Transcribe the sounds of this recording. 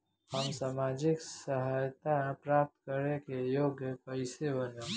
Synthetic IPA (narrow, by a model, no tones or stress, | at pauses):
həmsaːmaːd͡ʒɪksəɦajt̪apɾaːp̚t̪kəɾekejoːɡjəpəɪsebəno